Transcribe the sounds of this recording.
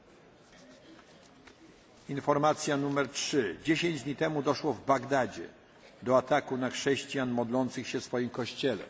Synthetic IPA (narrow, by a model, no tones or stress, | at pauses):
infɔɾmat̪sʲjanumɛɾtʂɘd͡ʑeɕeɲd͡ʑd̪ɲit̪ɛmud̪ɔʂwɔvbaɡd̪ad͡ʑɛ̰ | d̪ɔat̪akunaxʂɛɕt͡ɕijanmɔd̪lɔnt̪sɘxɕɛfsfɔjimkɔɕt͡ɕɛlɛ̰